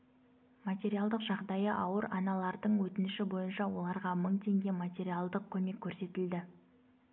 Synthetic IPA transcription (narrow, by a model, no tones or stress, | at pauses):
mat̪ʲe̞ɾijalˠd̪əqʒɑʁd̪ɑjəʔɑwəɾɑnɑlˠɑɾd̪əɴwɵt̪ɪnɪʃɪbo̞jənʃɑwo̞̰lˠɑɾʁɑməɴt̪ʰe̞ŋɡʲe̞mat̪ʲe̞ɾijalˠd̪əq̚kʲʰɵme̞kʲʰːɵɾse̞t̪ɪld̪ɪ